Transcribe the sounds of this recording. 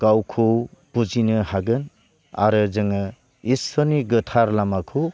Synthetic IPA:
ɡ̥awkʰuwb̥ud͡ʒinɯhaɡɯn | a̰ɾɯzɯŋɯ | isɔniɡɯtʰaɾlamakʰu

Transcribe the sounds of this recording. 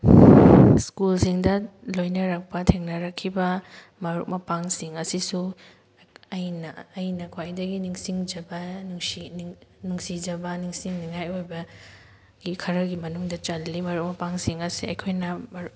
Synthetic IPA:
skulsiŋdɐ | lojnɐɾɐk̚pɐtʰeŋnɐɾɐkʰːibɐ | mɐɾuk̚mɐpaŋsiŋɐsisu | ɐjnɐːjnɐkʰwajdɐɡiniŋsiŋd͡ʒɐbɐnuŋsinuŋsid͡ʒɐbɐniŋsiŋniŋajojbɐ | ɡ̥ikʰɐɾɐɡimɐnuŋdɐt͡ʃɐlːimɐɾuk̚mɐpaŋsiŋɐsiɐ̰jkʰojnɐmɐɾu

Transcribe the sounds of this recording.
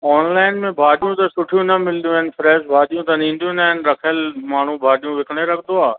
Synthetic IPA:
ɔːnlaːɪnmẽbʱaːɗijũt̪ɐsʊʈʰijũnɐmɪld̪ijũanɪ̆fɾɛːʃbʱaːɗijũt̪ɐnĩːn̆d̪jũnaːɦɪn̆ɾɐkʰəlmaːɳ̤ubʱaːɗijũʋɪkɽ̃eɾɐkʰd̪oaː

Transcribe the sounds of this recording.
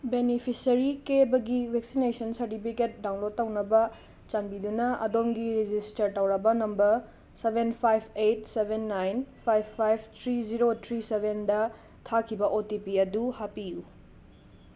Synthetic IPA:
benipʰisɐɾikebɐɡiwek̚sinesɐnsɐɾtipʰiket̚daw̃ŋlotːɐwnɐbɐ | t͡ʃanbidunɐɐ̰domɡiɾid͡ʒistɐɾtɐwɾɐbɐnɐmbɐɾ | sebʱenpʰajbʰejt̚sebʱenːajnpʰajbʰajbʰt̪ʰɾiziɾotʰɾisebʱendɐ | tʰakʰibɐʔotipiɐduhapiju

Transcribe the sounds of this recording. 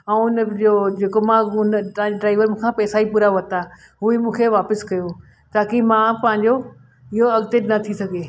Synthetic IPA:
ɛ̃ʊnd͡ʑod͡ʑeːkomãʊnəɐɦãɲd͡ʑeɖɾaːɪʋəɾmũːkʰãpɛːsaːipuːɾaʋɐt̪a | ɦuimũːkʰeʋaːpɪskɐjo | t̪aːkimãpɐ̃ɦɪ̃ɲd͡ʑo | ɪɦoɐɡt̪enɐt̪ʰisɐɡʱeː

